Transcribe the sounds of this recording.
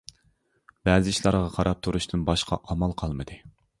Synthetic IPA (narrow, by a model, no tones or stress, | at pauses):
b̥ɛːzɪʃlˠɑɾʁɑqʰɑɾɑp̚t̪ʰuɾuʃt̪ʰɨnbɑʃqʰɑ̰ʔɑmɑlˠqʰɑlˠmɨd̪ɨ